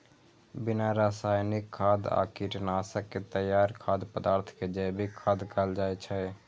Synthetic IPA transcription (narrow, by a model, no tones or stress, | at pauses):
binaɾasaːjnikʰːaːd̪a̰kiʈnaːsəkːet̪əjːaːɾkʰaːd̪pəd̪aːɾt̪ʰked͡ʒəjbikʰːad̪kəld͡ʒajt͡ʃʰə